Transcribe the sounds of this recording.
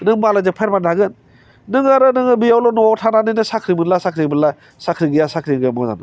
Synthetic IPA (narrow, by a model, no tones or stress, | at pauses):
nɯŋbalazɯpʰajɾmandaɡɯnː | ɯŋaɾɯnɯŋɯbijawlɔnɔwawtʰananɯjnɯsakʰɾibɯlasakʰɾibɯla | sakʰɾiɡɯjasakʰɾiɡjamɔza̰nɯ